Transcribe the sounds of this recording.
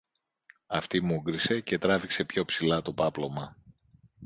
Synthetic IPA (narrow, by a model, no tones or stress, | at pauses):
ɐft̪imuɡɾise̞ce̞t̪ɾɐvikse̞pço̞psilɐt̪o̞pɐplo̞mɐ